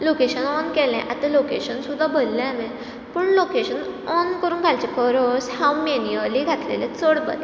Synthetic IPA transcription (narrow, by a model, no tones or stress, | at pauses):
lokeɕənɔnkɛlɛ̰̃ʔat̪ãlokeɕənsud̪ʱabʱəllɛ̃mɛ̃ | pəːɳlokeɕənɔnkəɾuːnɡʱalt͡ɕɛkəɾɔshawmeniəliɡʱat̪lḛlẽt͡səɽbə̰t̪